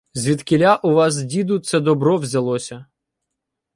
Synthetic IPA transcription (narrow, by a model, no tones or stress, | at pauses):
zʲʋʲit̪kɪlʲaʔʊʋɑs̬dʲid̪ʊt̪sɛd̪ɔbɾɔʋzʲɐlˠɔsʲɐ